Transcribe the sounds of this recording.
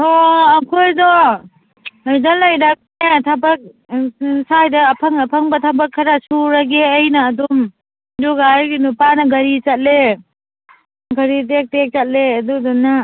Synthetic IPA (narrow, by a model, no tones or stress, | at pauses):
ɔɐkʰojdɔ | ajzalːɐjɾak̚netʰabɐk̚ | sajdɐːpʰɐŋɐpʰɐŋbɐtʰabɐkʰːɐɾasuɾaɡeɐjnɐːdum | duɡaɾɡinupanɐɡɐɾit͡ʃɐt̚le | ɡɐɾitek̚tek̚t͡ʃat̚leɐdudɔna